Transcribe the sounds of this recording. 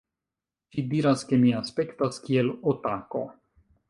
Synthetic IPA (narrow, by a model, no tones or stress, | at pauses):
t͡ʃidiɾaske̞miaspe̞kt̪askielot̪ako̞̰